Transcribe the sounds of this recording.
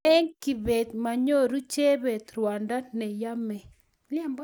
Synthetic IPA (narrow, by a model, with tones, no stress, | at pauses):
ɛ˦ŋki˨be˨t̪̚ma˨ɲo˦˨ɾu˦t͡ʃe˦be˨t̪ɾwa˨nda˦nɛ˨ja˦mɛ˨ | lɪ˦ɛ˦mb